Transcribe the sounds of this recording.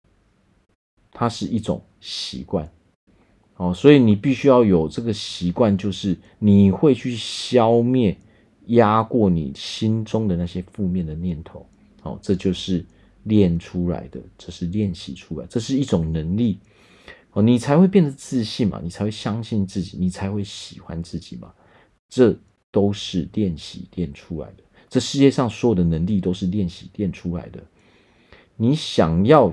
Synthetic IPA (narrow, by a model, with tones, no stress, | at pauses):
t̪ʰa˦ʂɻ̩˥˨i˥˩ʈ͡ʂʊ̰˨˩ŋ | ɕḭ˧˦kwa̰˥˩n | hɔ˨swɔ˧˦˥i˨ni˨˩pi˥˩ɕy˥jɑ˥˩ʊjo˨˩ʊʈ͡ʂɤ˥˩ɡə˩ɕi˨˥kwa˥˧nt͡ɕjo˥˧ʊʂɻ̩˥˩ | ni˨˩xwe˥˧ɪt͡ɕʰy˥˨ɕjɑ˦ʊmjɛ˥˨n | ja˦kwɔ˥˩nḭ˨˩ɕi˦nʈ͡ʂʊ˦ŋd̪ə˨˦na˥˩ɕjɛ˦fu˥˧mjɛ˥˨nd̪ə˩njɛ˥˩nt̪ʰo˨˦ʊ | hɔ̰˨ʈ͡ʂɤ˥˧t͡ɕjo˥˧ʊʂɻ̩˥˨ | ljɛ˥˨nʈ͡ʂʰu˦la̰˧˦ɪd̪ə˨ʈ͡ʂɤ˥˧ʂɻ̩˥˧ljɛ˥˨˩nɕḭ˨˩ʈ͡ʂʰu˥la˨˦ɪʈ͡ʂɤ˥˧ʂ̬ɻ̩˥˧i˥˩ʈ͡ʂʊ˨˩ŋnə˨˦ŋli˥˩ | hɔ˨˩ni˨˩t͡sʰa˨˧ɪxwe˥˧ɪpjɛ˥˩nd̪ə˩t͡sɹ̩˥˧ɕi˥˩nma̰˨ni˨t͡sʰa˧˥we˥˩ɕja˦˥ŋɕi˥˧nt͡sɹ̩˥˩t͡ɕḭ˨˩ni˨˩t͡sʰa˧˦ɪxwe˥˩ɪɕi˨˩xwa̰˦nt͡sɹ̩˥˩t͡ɕi˨˩ma̰˨ | ʈ͡ʂɤ˥˧ | t̪o˥ʊʂɻ̩˥˩ljɛ˥˨nɕḭ˨˩ljɛ˥˩nʈ͡ʂʰu˦˥la̰˧˦ɪd̪ə˨ | ʈ͡ʂɤ˥˧ʂɻ̩˥˧t͡ɕjɛ˥˧ʂɑ˥˩ŋswɔ˧˥jo˨˩d̪ə˨nə˧˦ŋli˥˨t̪o˥ʊʂɻ̩˥˧ljɛ˥˩nɕi˨˩ljɛ˥˨nʈ͡ʂʰu˦la̰˧˦ɪd̪ə˨ | ni˨˦ɕjɑ˨˩ŋjɑ˥˨ʊ